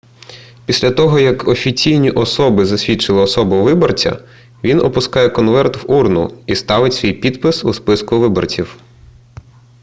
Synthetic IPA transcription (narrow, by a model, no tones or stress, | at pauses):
pʲisʲlʲɐt̪ɔɦɔjɐkɔfʲit͡sʲijnʲiʔɔsɔbɪzɐsʲʋʲit͡ʃɪlˠɪɔsɔbʊʋɪbɔrt͡sʲɐ̰ | ʋʲinɔpʊskɑjɛkɔnʋɛrt̪wurnʊ̰ist̪ɑʋɪtʲsʲʋʲijpʲid̪pɪsuspɪskʊʋɪbɔ̰rt͡sʲiw